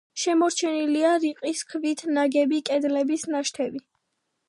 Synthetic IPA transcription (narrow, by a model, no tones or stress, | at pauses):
ʃɛmɔɾt͡ʃʰɛniliaɾiqʼiskʰvit̪ʰnaɡɛbikʼɛd̪lɛbisnaʃt̪ʰɛbi